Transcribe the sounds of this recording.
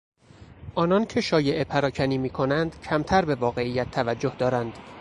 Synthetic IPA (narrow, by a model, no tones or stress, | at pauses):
ʔɒːnɒncʰe̞ʃɒːje̞ʔepʰæɾɒːcʰæniːmiːkʰo̞nænd̪̥cʰæmt̪ʰæɾbe̞vɒːɣe̞ijːæt̪ʰːævæd͡ʒːohd̪ɒːɾænd̪̥